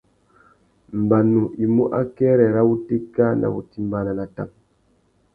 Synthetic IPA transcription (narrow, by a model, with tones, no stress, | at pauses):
m̩˨ba˨nu˨ʔi˨mu˦ʔa̰˦kɛ˦ɾɛ˨ɾa˦wu˦te˦ka˦nʔa̰˨bṵ˨ti˦m˦ba˦na˨na˨ta˦˨ŋ